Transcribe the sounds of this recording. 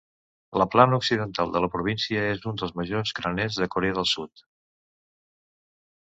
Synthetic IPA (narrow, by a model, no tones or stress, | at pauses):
ləplanuksiðənt̪alˠd̪ələpɾuβ̞insiəezund̪əlˠzməʒozɡɾənezðəkuɾeəðəlˠsut̪